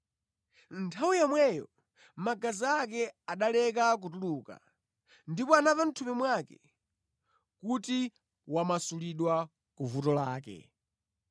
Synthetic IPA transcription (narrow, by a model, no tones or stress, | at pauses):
ntʰawijamwɛjɔ̰ | maɡaziak̬ɛaɗalɛkak̬utuluka̰ | ndipɔanavam̩tʰumimwakɛ̰ | kuti | wamasuliɗwa | kuvutɔlaːkɛ̰